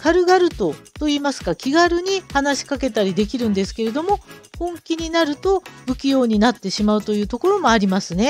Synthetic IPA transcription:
kaɾɯ̟ɡaɾɯ̟t̪o̞t̪o̞iːmasɨ̥kakʲiɡaɾɯ̟ɲ̟ihanaɕi̥kake̞t̪aɾʲid̪e̞kʲiɾɯ̟̃nd̪e̞sɨ̥ke̞ɾe̞d̪o̞mo̞hõ̞ŋkʲiɲ̟inaɾɯ̟t̪o̞bɯ̟kʲijo̞ːɲ̟inat̪ːe̞ɕimaɯ̟t̪o̞jɯ̟ːt̪o̞ko̞ɾo̞mo̞aɾʲimasɨne̞

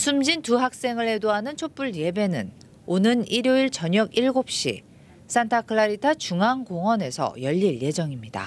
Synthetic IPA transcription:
sʰumd͡ʑintuɦak̚s͈e̞ŋɯɭhe̞doɦanɯnt͡ɕʰop͈uɭje̞be̞nɯ̰n | onɯniɾjoiɭt͡ɕʌɲʌɡiɭɡop̚ɕ͈ḭ | s͈antʰakʰɯɭaɾitʰat͡ɕuŋaŋɡoŋwʌne̞sʰʌ̰jʌʎːiɭje̞d͡ʑʌŋimɲida̰

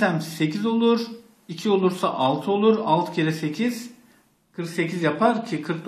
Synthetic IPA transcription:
æmse̞cʰizo̞lˠuɾ | icʰio̞lˠuɾsa̰ʔalˠt̪ʰɯo̞lˠuɾalˠt̪ʰcʰelʲɛse̞cʰiz̥ | kʰɯɾkse̞cʰizjapʰaɾcʰikʰɯɾk̚d̪

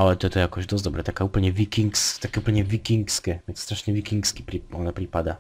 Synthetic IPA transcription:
alɛt̪ɔt̪ɔjakɔɕd̪ɔsd̪ɔbɾɛt̪akaupɛlɲɛvʲikʲiŋkst̪akʲɛuplɲɛvʲikʲiŋkskʲɛvʲɛnsst̪ɾaʂɲɛvʲikʲiŋkskʲi̥pɾʲiɔnapɾʲipad̪a

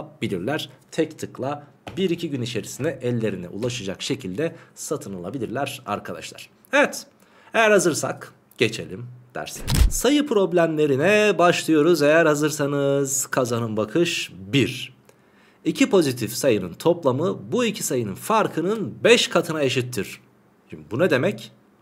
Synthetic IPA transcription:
bilʲḭɾlʲæɾ̥t̪ʰɛct̪ʰɯklˠa | biɾicʰiɟynit͡ʃʰe̞ɾisind̪ɛʔɛlʲːe̞ɾinɛ̰ʔṵlˠaʃad͡ʒa̰kʃe̞cʰilʲd̪ɛsat̪ʰɯnalˠabilʲiɾlʲæɾ̥a̰ɾkʰad̪a̰ʃlˠa̰ɾ̥ | evɛt̪ | e̞jæɾhazɯɾsa̰k | ɟ̥et͡ʃʰe̞̰lʲimd̪̥æ̰ɾsɛ̰nsajɯpʰɾo̞blʲæmlʲe̞ɾinɛbaʃlˠɯjo̞ɾuze̞jæɾhazɯɾsanɯz̥kʰazanɯmbakʰɯʃbiɾ | icʰipʰo̞zit̪ʰifsajɯnɯnt̪ʰo̞plˠamɯbuicʰi̥sajɯnɯnfaɾkʰɯnɯnbɛʃkʰat̪ʰɯnae̞ʃit̪ʰːiɾ̥ | ʃimibunad̪e̞mɛc

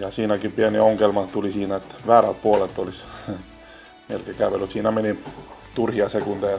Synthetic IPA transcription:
jɑsiːnækipiænioŋkelmɑt̪ulisiːnæet̪ːʋæːrælt̪̚puolet̪ːolis | mḛlkekæʋelyt̪siːnæmenit̪urhiɑsekunt̪eɑ

